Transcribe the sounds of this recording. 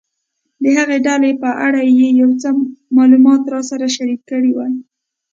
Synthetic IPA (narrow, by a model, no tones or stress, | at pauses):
d̪əɦaɣeɖalepəʔaɽajejawt͡səmɑlumɑt̪ɾɑsaɾaʃaɾikːəɽiwa